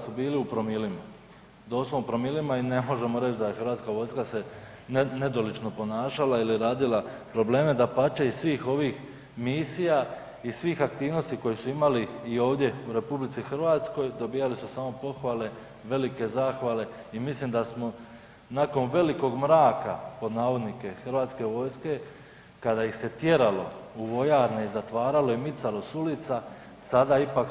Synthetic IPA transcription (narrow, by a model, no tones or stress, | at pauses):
subiːliupɾo̞milima | d̪o̞ːsloupɾo̞milimaine̞mo̞ʒe̞mo̞ɾe̞t͡ʃd̪aje̞xɾʋaːt̪skaʋo̞jskase̞nne̞d̪o̞lit͡ʃnopo̞naːʃalailiɾaːd̪ilapɾo̞ble̞ːme̞d̪apat͡ʃeisʋiːxo̞ʋiːx | misija | isʋiːxak̚t̪iːʋno̞st̪iko̞jesuimaliːo̞ːʋd̪je̞uɾe̞publit̪sixr̩ʋaːt̪sko̞jd̪o̞biːjalisusaːmo̞po̞xʋaːle̞ | ʋe̞like̞zaːxʋale̞imislimd̪asmo̞ | naːko̞nʋe̞liko̞ɡmɾaːka̰po̞d̪naːʋo̞d̪nike̞xr̩ʋaːt̪ske̞ʋo̞ːjske̞ | kad̪ajixse̞t̪je̞ɾalo̞̰uʋo̞jaːɾneizat̪ʋaːɾalo̞imit̪salo̞sulit̪sa | sad̪aipak